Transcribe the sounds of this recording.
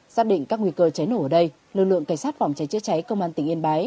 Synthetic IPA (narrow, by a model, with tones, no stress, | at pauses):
saː˦˥k̚ɗḭ˧˨ŋ̟kaː˦˥kŋwi˧kəː˧t͡ɕa˨˦jno˧˩˨ʔəː˧˩ɗə˧j | lɨ˨˩k̚lɨ̰˧˨əŋka˧˩ŋsaː˦˥t̚fa˨˩wŋ͡mt͡ɕa˨˦jt͡ɕɨ˧˥t͡ɕa˨˦jkə˧wŋ͡mʔaː˧nt̪ï˨˩ŋʔi˧ənɓaː˨˦j